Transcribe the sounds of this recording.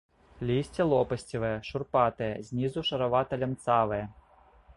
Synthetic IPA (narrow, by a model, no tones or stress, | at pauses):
lʲisʲtʲɐlˠɔpɐsʲtʲiʋɛjɛʃʊrpɑt̪ɛjɛzʲnʲizʊʃɐɾɐʋɑt̪ɐlʲɐmt̪sɑʋɛjɛ